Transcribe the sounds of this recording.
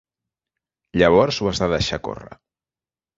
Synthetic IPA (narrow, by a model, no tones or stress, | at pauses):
ʎəβ̞ɔɾzwəzðaðəʃako̰rə̰